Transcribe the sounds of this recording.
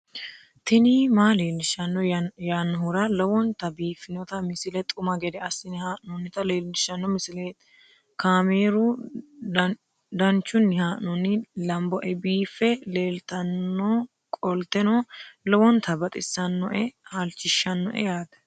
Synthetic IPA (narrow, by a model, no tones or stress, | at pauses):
t̪ɪnɪmaːleːlːɪʃɐnːɔjaːnːɐɦʊɾɐlɔwɔnt̪ɐbiːfɪnɔt̪ɐmɪsɪlɛt̪ʼʊmɐɡɛd̪ɛɐsːɪnhaːʔnɔnːɪt̪ɐleːlːɪʃːɐnːɔmɪsɪleːt̪ | kaːmeːɾu | d̪ɐnt͡ʃːʊnːɪhaːʔnɔnːɪlɐmbɔʔɛbiːfːɛle̞ːlt̪ɐnːɔ | kʼɔlt̪ɛnɔlɔwɔnt̪ʰɐbɐt̪ʼɪsːɐnːɔʔɛhɐlt͡ʃːɪʃːɐnːɔ̰ʔɛ̰jaːd̪ɐ̥